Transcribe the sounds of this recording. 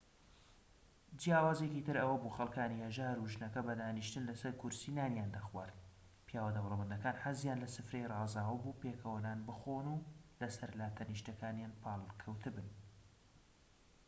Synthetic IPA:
d͡ʒijaːwaːzekit̪ʰɨɾɐwɐbuːxɐlˠkaːnihɐʒaːɾuʒɨnɐkɐbɐd̪aːniʃt̪ɨnlɐsɐɾkʰʊɾsinaːnjaːnd̪axwaːɾd̪̚ | pijaːwɐd̪ɐwlˠɐmɐnd̪ɐkaːnħazjaːnlɐsɨfɾejrɑːzaːwɐbuːpeːkʰəwɐnaːnbɨxoːnulɐsɐɾlaːt̪ʰɐniʃt̪ɐkʰaːnjaːnpʰaːlˠkʰɐwt̪ʰɨbɨn

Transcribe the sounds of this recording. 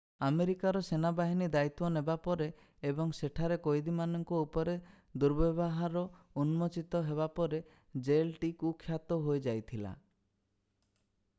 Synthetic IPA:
ameɾikaɾɔsenabaɦinid̪ait̪wɔnebapɔɾeː | bɔŋseʈʰaɾekojd̪imanɔŋkɔupɔɾe | d̪uɾbɔbɔɦaɾɔunmɔt͡ʃit̪ɔɦeβapɔɾe | d͡ʒelʈikukʰːjat̪ɔɦojd͡ʒajt̪ʰila̰

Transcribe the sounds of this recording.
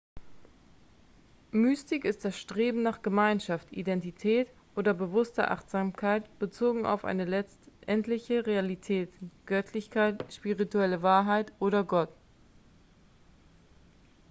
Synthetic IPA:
myːstɪkɪst̚d̥asʃtʁ̥eːbm̩naːχɡ̥əmaɪnʃaftʔḭdɛntitʰɛːt | ʔoːdɐbəvʊstɐ̰ʔa̰χtz̥aːmkʰaɪtb̥ət͡soːɡŋ̩a̰ʊfʔa̰ɪnəlɛ | ʔɛntlɪçəʁealitʰɛːtɡ̥œtʰlɪçkʰaɪtʃpiʁituɛləvaːɐɦaɪtʔoːɾɐɡɔt

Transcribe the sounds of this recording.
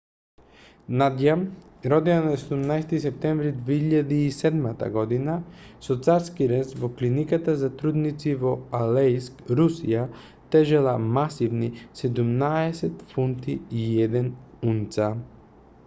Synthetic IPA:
nad̪jam | ɾɔd̪ianasɛd̪umnajsɛt̪isɛp̚t̪ɛɱvɾid̪viiʎad̪iːsɛd̪mat̪a̰ɡɔd̪inasɔt̪saɾskiɾɛnst̪vɔklinikat̪azat̪ɾud̪nit̪sivɔalɛjskɾusija | t̪ɛʒɛlˠamasivnisɛd̪umnaɛsɛt̪funt̪iːɛd̪ɛn | unt̪sa

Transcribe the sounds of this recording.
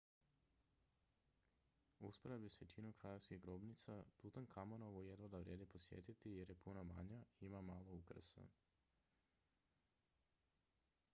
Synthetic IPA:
uspoɾabisʋet͡ʃinukɾaje̞ʋskiɣɡɾoːbnit̪sat̪ut̪aŋkʰamonoʋujed̪ʋod̪aʋɾjeːd̪eposjḛːt̪it̪ijeɾjepunama̰ɲaimamaːlˠoukr̩so̰

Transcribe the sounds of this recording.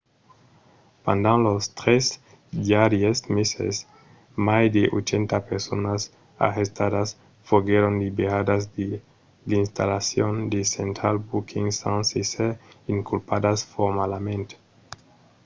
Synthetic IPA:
pand̪anlost̪ɾes | d̪iaɾjesmesḛs | majd̪eʔot͡ʃent̪apeɾsonas | a̰hest̪aðas | foɣeɾond̪ibead̪azde | d̪inst̪a̰lasjond̪esent̪ɾalbukʰiŋsansiseiŋkulpadasfoɾmalamẽnt̪e̥

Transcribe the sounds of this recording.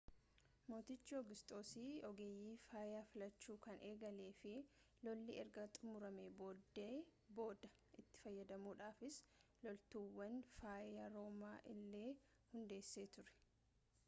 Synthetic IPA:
mo̞ːt̪ɪt͡ʃːɪɔɡɪst̪ʼo̞ːsiːɔɡeːjːiːfaːɪjaːfɪlɐt͡ʃːuːkɐnʔe̞ːɡɐle̞ːfɪ | lɔlːiɛɾɡɐt̪ʼʊmʊɾɐmebo̞ːd̪eːbo̞ːd̪ɐ | ʔɪt̪ːɪ̥fɐjːɐd̪ɐmuːᶑaːfɪslɔlt̪uwːɐnfaːʔɪjaɾo̞ːmaːʔɪlːe̞ː | hʊnd̪e̞ːsːe̞ːt̪ʊɾɛ̥

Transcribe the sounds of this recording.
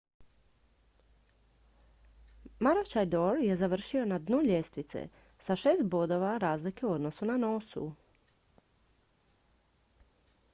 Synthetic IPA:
maɾot͡ʃajd̪oɾje̞zaʋr̩ʃio̞nad̪nuʎe̞st̪ʋit̪sḛ | saʃe̞ːst̪bo̞d̪o̞ʋaɾaːzlike̞uo̞d̪no̞sunano̞sṵ

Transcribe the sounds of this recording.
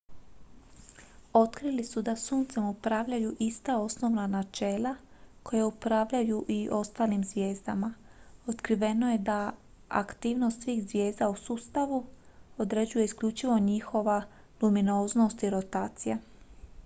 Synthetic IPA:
o̞t̪kɾilisud̪asuːnt̪semupɾaʋʎajuʔist̪ao̞sno̞ʋnanat͡ʃe̞ːlˠakʰo̞jeupɾaʋʎajuʔiʔo̞st̪aːlimzʋje̞ːzd̪amao̞t̪kɾiʋe̞no̞je̞d̪a | a̰kt̪iːʋno̞st̪sʋiːxzʋje̞ːzd̪ausuːst̪aʋu | o̞d̪ɾe̞d͡ʑujeiskʎʲut͡ʃiʋo̞ɲixo̞ʋa | luminoːzno̞st̪iɾo̞t̪aːt̪sija

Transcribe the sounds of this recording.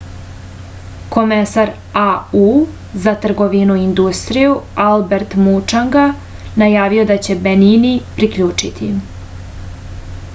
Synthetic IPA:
ko̞mesaɾ | au | zat̪r̩ɡo̞ʋinuind̪ust̪ɾijualbe̞ɾt̪mut͡ʂaŋɡa | najaːʋio̞d̪at͡ɕe̞beninipɾikʎuːt͡ʂit̪ʰim

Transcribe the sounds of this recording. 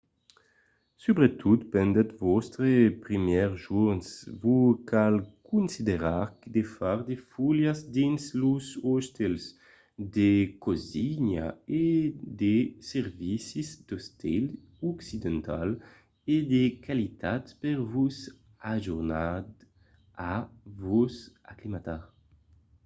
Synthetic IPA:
sybʁet̪ʰut̪pɛnd̪ɛt̪vɔst̪ɾepʁimjɛʁʒunsvukalkunsid̪eʁaʁkd̪efaʁd̪efuljazd̪insluzɔst̪els | d̪ekoziɲa̰ed̪esɛʁvisizd̪̥ɔst̪ʰɛl | ɔksid̪ɛnt̪a̰l | ed̪ekʰalit̪at̪pɛʁvuz | aʒuʁnad̪ | avuza̰klimat̪aʁ

